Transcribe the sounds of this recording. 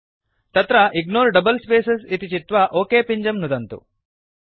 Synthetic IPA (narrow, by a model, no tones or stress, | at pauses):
t̪ɐt̪ɾɐʔiɡnoːɾɖɐbɐlspeːsesit̪it͡ʃit̪ʋɐʔoːkeːpiɲd͡ʒɐmnud̪ɐnt̪ṵ